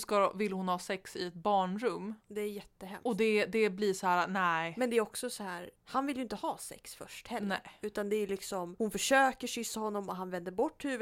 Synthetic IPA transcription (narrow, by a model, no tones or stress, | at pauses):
skavɪlːhʊnhɑːsɛksɪɛt̪̚bɑːɳɾɵmːd̪ɛæɾjɛt̪ːəɦɛ̰mɔd̪ɛd̪ɛbliːʂɔhæːɾanæmɛnd̪ɛæɾɔksɔsɔhæːɾhanvɪljɵɪnt̪əhɑːsɛ̰ksfœ̰ʂʈhɛlːnɛɾʉ̟ːt̪and̪ɛæjlɪksɔmhʊnfœʂøːkəʂʏsːahɔnːɔmɔɦanvɛnd̪əɾbɔʈːhʉ̟ːv